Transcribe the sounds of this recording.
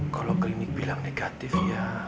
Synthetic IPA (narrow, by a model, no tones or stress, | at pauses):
kaloklinik̚b̥ilaŋneɡ̥at̪ɪfja